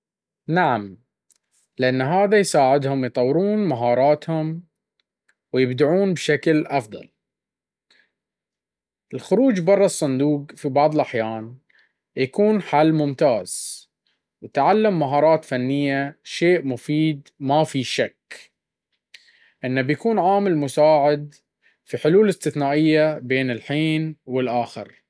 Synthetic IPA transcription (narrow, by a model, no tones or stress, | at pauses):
naʕam | lɪʔanːɦaːðajsaːʕɪd̪hʊmjt̪ˤɑwːɾuːnmaɦɑːɾˤɑːt̪hʊm | wjɪbd̪aʕuːnbʃaklʔɑfðˤɑ̰l | ʔɪlxʊɾuːd͡ʒbɑrˤːɑsˤːɑnd̪uːqfibɑʕðˤɨlʔaħjaːn | jakuːnħalːmʊmt̪aːz̥ | wɪt̪ʕalːamːaɦɑːɾˤɑːt̪fanːɪjːaʃeːʔmʊfiːd̪mafiʃak | ʔɪnːabjakuːnʕaːmɪlmʊsaːʕɪd̪ | fiħʊluːlɪst̪ɪθnaːʔɪjːabeːnɪlħiːnwɪlʔaːxɪ̰ɾ